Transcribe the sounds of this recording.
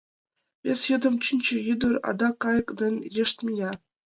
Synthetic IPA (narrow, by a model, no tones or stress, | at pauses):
pʲesʲjɤ̆d̪ɤ̆mt͡ɕinʲt͡ɕɘ̆jyd̪ɤ̆rɑ̰d̪ɑkːɑjɤ̆kd̪ɘ̆nʲjĕʂt̪ʲmʲijʲɑ